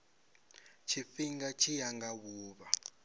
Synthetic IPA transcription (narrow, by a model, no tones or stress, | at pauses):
t͡ʃʰifiŋɡat͡ʃʰijaŋɡaβuːβa